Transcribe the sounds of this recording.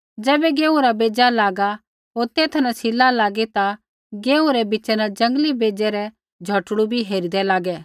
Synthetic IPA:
d͡ʒɛːbɛɡeːũɾabeːd͡ʒalaːɡa | ɦoːɾt̪eːt̪ʰnãsʰɪlalaːɡet̪a | ɡeːũɾɛbɪt͡ʃɛnad͡ʒɐ̃ŋɡlibeːd͡ʒɛɾɛ | d͡ʒʱɐʈɽubʱiɦeːɾid̪ɛlaːɡɛː

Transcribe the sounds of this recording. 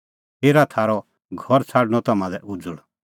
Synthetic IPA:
heːɾat̪ʰaːɾɔ | ɡʱɔɾt͡sʰaːɽñɔt̪ɐmãlɛʔʊd͡zəɽ

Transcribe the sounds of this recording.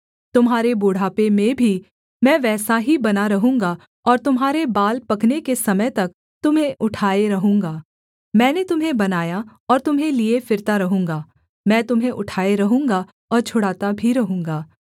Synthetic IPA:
t̪ʊmɦaːɾeboːɽ̤aːpemẽbʱi | mɛ̃ːʋɛːsaɦibɐnaɾɐɦũːŋɡa | ɔːɾt̪ʊmɦaːɾebaːlpɐknekesɐməjt̪ɐk̚ | t̪ʊmɦẽʔʊʈʰaːeɾɐɦũːŋɡaː | mɛ̃ːnet̪ʊmɦẽbɐnaːjaɔːɾt̪ʊmɦẽliefɪɾt̪aɾɐɦũːŋɡaː | mɛ̃ːt̪ʊmɦẽʔʊʈʰaːeɾɐɦũːŋɡa | ɔːɾt͡ʃʰʊɽaːt̪abʱiɾɐɦũːŋɡaː

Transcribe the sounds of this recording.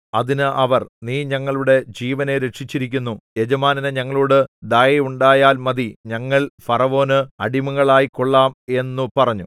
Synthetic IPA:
ɐðinɨʔɐʋɐrniːɲɐŋːɐɭuɽe̞d͡ʑiːʋɐne̞ɾe̞ʈʂit͡ɕːiɾikʲːunːuje̞d͡ʑɐmaːnɐneɲɐŋːɐɭuːɽɨd̪ɐjɐuɳɖaːjaːlmɐðiɲɐŋːɐɭfɐrɐʋo̞ːnɨɐɽimɐɣɐɭaːjiko̞ɭːaːme̞nːupɐrɐɲːu

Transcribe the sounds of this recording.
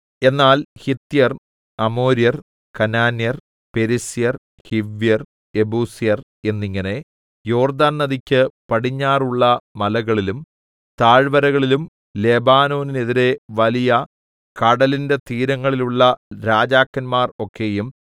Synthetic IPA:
e̞nːaːlhit̪ːijɐr | ɐmo̞ːɾijɐr | kɐnaːnjɐr | pe̞ɾisijɐr | hiʋjɐr | e̞buːsijɐr | e̞nːiŋːɐne̞ | jo̞ːrd̪aːnnːɐðikʲːɨpɐɽiɲːaːruɭːɐmɐlɐɣɐɭilum | t̪aːɻʋɐɾɐɣɐɭilum | le̞ːbaːno̞ːnine̞ðiɾe̞ʋɐlijɐ | kɐɽɐlinde̞t̪iːɾɐŋːɐɭiluɭːɐɾaːd͡ʑaːkːɐnmaːro̞kʰːe̞jum

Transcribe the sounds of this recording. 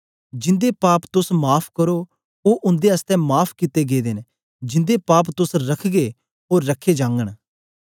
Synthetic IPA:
d͡ʒɪ̃nd̪eːpaːpt̪ʊsmaːpʰkəɾoː | oːʔʊ̃nd̪eəst̪ɛ̃ːmaːpʰkɪt̪eːɡeːd̪en | d͡ʒɪ̃nd̪eːpaːp̬t̪ʊsɾəkʰɡeː | ɦoːɾːəkʰːeːd͡ʒãːŋɡəɽ̃

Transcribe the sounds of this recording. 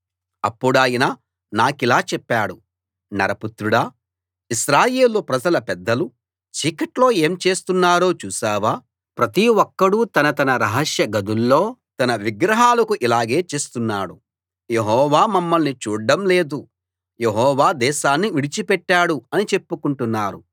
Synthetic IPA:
ɐpːuɽaːjinaː | naːkilaːt͡ʃɛpːaːɽu | nɐ̰ɾɐput̪ɾuɽaː | iʃɾaːje̞ːlopɾɐd͡ʒɐlɐpɛd̪ːɐlu | t͡ʃiːkɐʈlo̞ːe̞ːmt͡ʃe̞ːst̪unːaːɾo̞ːt͡ʃuːsaːʋaː | pɾɐt̪iwɔkːɐɽut̪ɐnɐt̪ɐnɐɾɐɦɐʃjɐɡɐd̪ulːo̞ːt̪ɐnɐʋiɡɾɐɦaːlɐkuʔilaːɡe̞ːt͡ʃe̞ːst̪unːaːɽu | je̞ɦɔːʋaːmɐmːɐlnit͡ʃuːɖɐmle̞ːd̪u | jeɦɔːʋaːd̪ɛːʃaːnːiʋiɽit͡ʃipɛʈːaːɽuɐnit͡ʃe̞pːukuɳʈunːaːɾu

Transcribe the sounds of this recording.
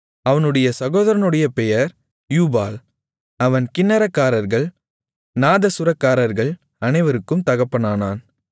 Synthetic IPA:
ɐʋɐnɯɽɐjɐsɐɣoːðɐɾɐnɯɽɐjɐpɛjɐɾ | juːbaːl | ɐʋɐnkɪnːɐɾɐkːaːɾɐɾɣɐɭ | naːðɐsʊɾɐkːaːɾɐɾɣɐɭ | ɐnɐɪʋɐɾɯkːɯmt̪ɐɣɐpːɐnaːnaːn

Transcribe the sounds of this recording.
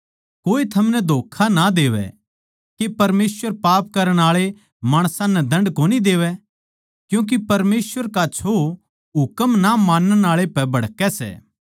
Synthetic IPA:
koːit̪ʰɐmnɛd̪ʱoːkʰanad̪eːʋɛ̰ | kepɐɾmeːsʋəɾpaːp̚kɐɾəɽ̃aːɭe | maːɽ̃sãnɛd̪ɐ̃ɳɖkoːnid̪eːʋɛ | kjũːk̬ipɐɾmeːsʋəɾkat͡ʃʰo | ɦʊkəmnamaːnəɽaːɭepɛbɐɽkɛsɛ̰ː

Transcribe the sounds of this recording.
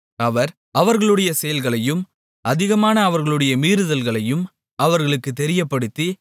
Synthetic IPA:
ɐʋɐɾ | ɐʋɐɾɣɐɭɯɽɐjɐsɛjɐlɣɐɭɐjɯm | ʔɐðɪɣɐmaːnɐːʋɐɾɣɐɭɯɽɐjɐmiːɾɯðɐlɣɐɭɐjɯm | ɐʋɐɾɣɐɭɯkːɯt̪ːɛɾɪjɐpːɐɽɯt̪ːi

